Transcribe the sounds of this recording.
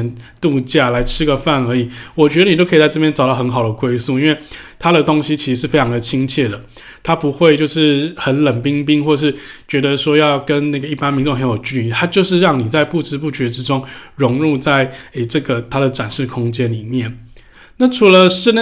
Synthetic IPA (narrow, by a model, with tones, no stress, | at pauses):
nt̪u˥˧t͡ɕja˥˩la˧˥ɪʈ͡ʂʰɻ̩˥ɡə˨fa˥˩nə˞˧˥i˨˩˦wɔ˨˩t͡ɕɥdə˧ni˨˩t̪o˥ʊkʰi˨˩t͡sa˥˧ɪʈ͡ʂɤ˥˩pjɛ˥nʈ͡ʂɑ˨˩t̪ɑ˥ʊxə˧˦nxɑ˨˩ʊd̪ə˦kwe˥ɪsu˥˩i˥nwe˥˩ɪt̪ʰa˥ɾə˨t̪o˥ŋɕi˦t͡ɕʰi˧˥ʂ̩˧˥ʂɻ̩˥˩fe˥ɪʈ͡ʂʰɑ˧ŋd̪ə˨˩t͡ɕʰi˥ŋt͡ɕʰjɛ˥˩d̪ə˩ | t̪ʰa˥pu˧˦˥xwe˥˧ɪt͡ɕjo˥˧ʊʂɻ̩˥˩xə˨˦nlə˨˩npi˥ŋp̬i˥ŋxwɔ˥˧ʂɻ̩˥˩t͡ɕɥɛ˧˥d̪ə˧ʂwɔ˥jɑ˥˩ʊkə˦˥nna˥˩ɡə˩i˥˩pa˥˦nmi˧˥ŋʈ͡ʂo˥˨ŋxə˧˦njo˨˩ʊt͡ɕy˥˧i˥˩t̪ʰa˥t͡ɕjo˥˧ʊʂɻ̩˥˧ɻɑ˥˩ŋni˨˩t͡sa˥˧ɪpu˥˨ʈ͡ʂɻ̩˥pu˥˩t͡ɕɥɛ˧˥ʈ͡ʂɻ̩˥ʈ͡ʂʊ˥ŋɻʊ˧˥ŋɻu˥˧t͡sa˥˩ɪe˩ʈ͡ʂɤ˥˩ɡə˩t̪ʰa˥ɾə˨ʈ͡ʂa˨˩nʂɻ̩˥˩kʰʊ˥ŋt͡ɕjɛ˦˥nli˨˩mjɛ˥˩n | na˥˩ʈ͡ʂʰu˧˥lə˧ʂɻ̩˥˧n˥